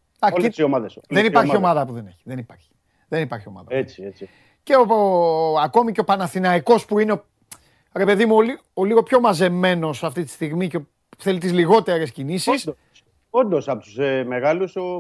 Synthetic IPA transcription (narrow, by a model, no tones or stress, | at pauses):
ɐiomɐðesðenipɐɾio̞mɐðɐpuðeneçi̥ðenipɐɾçi̥ | ðe̞nipɐɾçio̞̰mɐ̰ðɐ̰et͡siet͡si | ce̞o | ɐko̞miceopɐnɐθinɐiko̞spuineo | ɾe̞pe̞ðimuoli | oliɣo̞pço̞mɐze̞me̞no̞sɐft̪it̪i̥st̪iɣmice | θe̞lit̪izliɣo̞t̪e̞ɾe̞scinisissd̪o | ond̪osɐpot̪u̥semeɣɐluso